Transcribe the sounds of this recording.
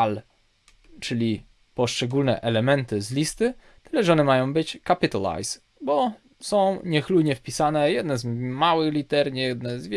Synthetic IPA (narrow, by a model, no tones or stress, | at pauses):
l | t͡ʂɘlʲi | pɔʂt͡ʂɛɡulnɛ̰ʔɛlɛmɛnt̪ɘzlʲist̪ɘ | t̪ɘlɛʐɔnɛmajɔ̃w̃bɘt͡ɕkapʲit̪ala̰js | bɔ | sɔ̃w̃ɲɛxluɲɛfpʲisanɛjɛd̪nɛzmawɘxlʲit̪ɛɾɲjɛd̪nɛzvʲ